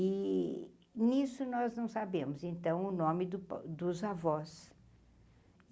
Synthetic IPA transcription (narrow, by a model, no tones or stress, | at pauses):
ɪ | nisʊnɔznɐ̃w̃sabẽmʊzẽnt̪ɐ̃w̃ʊnõmɪd̪ʊpd̪ʊzavɔs